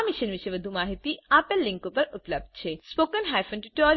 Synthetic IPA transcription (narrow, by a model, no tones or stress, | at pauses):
miʃənʋiʃejʋəd̪ʱumaɦit̪iapelliŋkupəɾuplɐb̚d̪t͡ɕʰespokənɦajfənʈuʈɔ